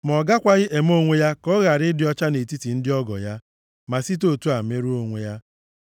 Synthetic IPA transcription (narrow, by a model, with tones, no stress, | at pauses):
m˨ɔ˨ɡa˦kʷa˦ɣɪ˦ʔe˨mo˦ŋʷe˦ja˦kɔ˦ɣa˨ɾɪ˦dɪ˨˦ɔ˦t͡ʃa˦ne˨ti˦ti˨n̩˦dɪ˦ɔ˦ɡɔ̰˨ja˦ | ma˨si˦t̬o˦tu˦a˨me˦ɾu˦o˦ŋʷe˦ja˦